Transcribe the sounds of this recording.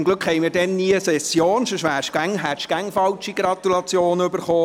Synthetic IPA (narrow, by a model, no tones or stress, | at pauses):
mɡlɵkχhɛɪmiːɾdɛnːiːəsɛsjoːnʃɔʃʋæːɾʃɡ̥æŋɦæʃɡ̥æŋfɑlt͡ʃiɡɾɑt̪ulɑt͡sjoːnʏbəɾχoː